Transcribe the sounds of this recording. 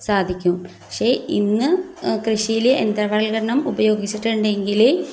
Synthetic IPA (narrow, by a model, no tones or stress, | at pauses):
saːd̪ʱikʲːumppɐkʂe̞ːinːɨkrɨɕijileʔend̪rɐʋɐlɡɐɾɐɳɐmubɐjo̞ːɡit͡ɕːiʈːuɳɖe̞ŋɡil